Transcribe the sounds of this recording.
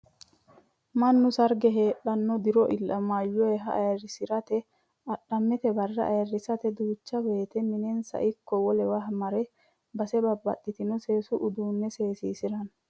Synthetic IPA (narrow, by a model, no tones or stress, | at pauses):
mɐnːʊsɐɾɡɛɦe̞ːᶑɐnːɔd̪ɪɾɔʔɪlːʔɐmaːjːɔjɛɦɐ̰ɐjɐrːɪsɪɾɐt̪ɛ | ɐᶑɐmːɛt̪ɛbɐrːɐʔɐjɐrːɪsɐt̪ɛd̪uːt͡ʃːɐweːt̪ɛmɪnɛnsɐ̰ʔɪkːɔwɔlɛwɐhmɐɾɛ | bɐsɛbɐbːɐ̰t̪ʼːɪt̪ɪnɔse̞ːsʊʔʊd̪uːnːɛseːsiːsɪɾɐn